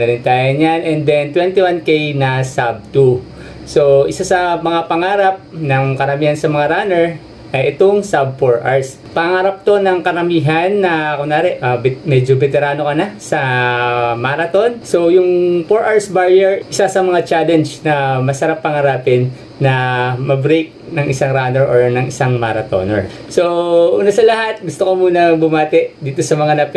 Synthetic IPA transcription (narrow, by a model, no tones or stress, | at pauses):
nɐlɪnt̪aːjɐnjanʔɛnd̪ɛnt̪wɛnt̪ɪwankejnɐsab̚t̪u | soʔɪsasɐmɐŋapɐŋaːɾɐp̚nɐŋkɐɾɐmiːhɐnsɐmɐŋaɾaːnɛɹ | ʔɐjɛt̪oŋsab̚foɹʔaɹs | pɐŋɐŋaːɾɐp̚t̪o̞nɐŋkɐɾɐmiːɦɐnːɐkonaːɾɛʔʔamɛd͡ʒobɛt̪ɛɾaːno̞kɐnasɐ | maːɾɐt̪o̞nso̞jʊŋpoɹʔaɹsbaɹjɛɹʔɪsasɐmɐŋat͡ʃaːlɛnd͡ʒnɐmɐsɐɾapːɐŋɐɾaːpɪnː | ɐmɐbɾejk̚nɐŋʔɪsaŋɾaːnɛɹʔoɹnɐŋɪsaŋmaɾɐt̪o̰nɛ̰ɹ | so̞ʔuːnɐsɐlɐɦat̪̚ɡʊst̪okomuːnɐbʊmaːt̪ɛʔd̪iːt̪o̞sɐmɐŋanɐp